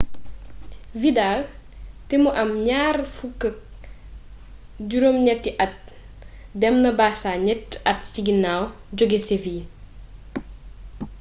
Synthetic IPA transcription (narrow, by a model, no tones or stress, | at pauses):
vidaːl | tɛmuʔɐmɲaːrfukːək̚ | ɟuɾomɲɛtːiʔɐt̚ | dɛmnɐbaːsaːɲɛtːɐtsiɡinawɟɔɡeseviː